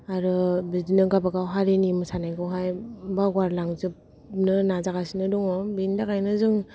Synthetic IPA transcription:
aɾɯbidinɯɡabaɡawɦaɾinimɯsanajɡɯwɦajbaɡwaɾlaŋzɯp | nɯnazaɡasinɯduŋɔbindaɡajnɯzɯŋ

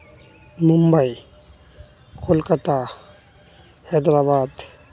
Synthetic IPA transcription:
mʊmbəi | kʰolkət̪a | hɛd̪ɾaːbaːd̪

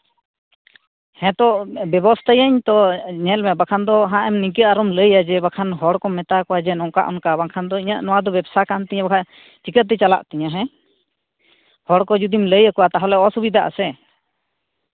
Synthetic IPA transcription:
hɛ̃t̪ɔʔbɛbɔst̪ajaɲt̪ɔɲɛlmɛbakʰand̪ɔɦãʔɛmnik̬əaɾɔmləjad͡ʒɛbakʰanɦɔɽkɔmɛt̪akɔwad͡ʒɛnɔ̃ʔka̰ʔɔnkabakʰand̪ɔiɲaʔnɔwad̪ɔbɛbsakant̪ɛɲãbakʰa | t͡ʃikət̪̚d̪ɛt͡ʃala̰ʔt̪ɛɲaɦɛ̃ | hɔɽkɔd͡ʒud̪imləjakɔwat̪aɦɔlɛɔsubid̪aʔa̰sɛ

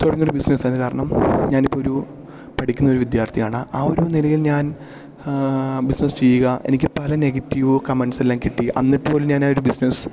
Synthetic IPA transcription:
t̪oɽɐŋːioɾubisnɐsaːnːɨkaːɾɐɳɐmɲaːnipːooɾu | pɐʈʰikʲːunːɐoɾuʋid̪jaːrt̪ʰijaːɳɨʔaoɾunilɐjilɲaːn | bisnɐst͡ɕejːuɣɐʔe̞̰nikʲːɨpɐlɐneːɡɐtːiʋɨkɐmeɳɖselːaːmkiʈːiʔɐ̰nːiʈːpo̞ːluɲaːnaːjo̞ɾubisnes

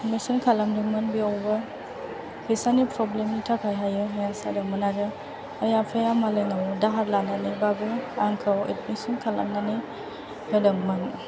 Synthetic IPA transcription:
tmesɔnkʰalamdɯŋmanbiawba | pʰesanipɾɔblemnitʰakʰajɦajɯɦajasa̰damanadɯː | japʰajamalajnawɔdaɦaɾlananibabɯaŋkʰawḛt̚mesɔnkʰala̰mnani | hɯdaŋman

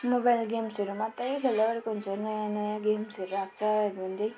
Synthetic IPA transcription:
mobajlɡemsʌɾumat̪ʌjkʰelʌʌɾekoɦunt͡sʰʌnʌjãnʌjãɡemsʌɾuɾak̚t͡sʰʌɾuɦʌnd̪ʌj

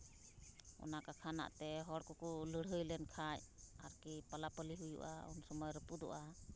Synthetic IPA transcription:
ɔ̰nakakʰana̰ʔt̪ɛɦɔɽkɔkuləɽɦəjlɛnkʰacaɾkipalapəliɦujṵʔa̰ṵnsɔmɔjɾəpud̪ɔ̰ʔa

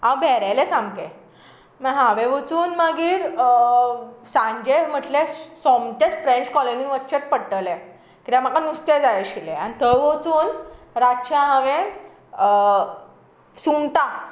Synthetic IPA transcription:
awbʱɛɾalesamkẽ | məɦaʋẽʋot͡suːnməɡiːɾ | sãɲd͡ʑem̤əʈlesɔmt̪et͡sfɾẽɲt͡ɕkɔlenĩŋʋətt͡ɕet̪̚pəɽʈəle | kit̪ãm̤akanust̪ed͡zajɕilḛañit̪əʋot͡suːn | ɾaɕãɦaʋẽ | sunt̪a

